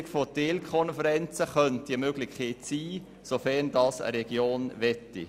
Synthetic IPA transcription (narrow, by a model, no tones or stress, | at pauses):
kfoteːlkʰɔnfəɾɛnt͡səχœnt̚iəmøɡlɪçeːtsiː | sofɛndɑːsə̰ɾɛɡjoːnʋɛtːḭ